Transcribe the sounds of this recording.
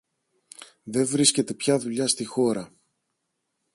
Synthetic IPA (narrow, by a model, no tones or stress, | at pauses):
ðe̞vɾisce̞t̪e̞pçɐðuʎɐst̪ixo̞ɾɐ